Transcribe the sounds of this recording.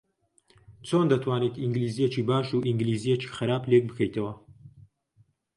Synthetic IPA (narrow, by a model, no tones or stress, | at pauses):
t͡sond̪ɐt̪ʰwaːnet̪ʰiŋɡliːzijet͡ʃiːbaːʃuʔiŋɡliːzijet͡ʃi̥xɨɾaːplek̚bɨkʰɐjt̪ʰɐwɐ